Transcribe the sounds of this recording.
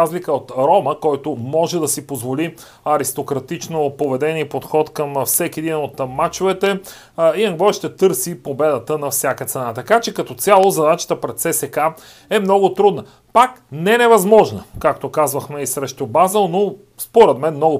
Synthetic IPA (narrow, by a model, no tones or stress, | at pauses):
azlikəot̪ɾɔməkɔjt̪omɔʒɛd̪ɐsipozvoli | ɐɾist̪okɾɐt̪it͡ʃnopovɛd̪ɛnipot̪xɔt̪kəmfsɛkʲiɛd̪inot̪mat͡ʃovɛt̪ɛ | iɐŋɡlˠɔʃt̪ɛt̪ɤɾsipobɛd̪ət̪ənɐfsʲjakət̪sɛnat̪ɐkat͡ʃɛkɐt̪ɔt̪sʲalˠozɐd̪at͡ʃə̥t̪əpɾɛt̪sɛsɛka | ɛmnɔɡʊt̪ɾud̪nə | paknɛnɛvɐzmɔʒnəkakt̪okazvəxmɛisɾɛʃt̪obazəlˠno | spoɾɛd̪mɛnmnɔɡʊ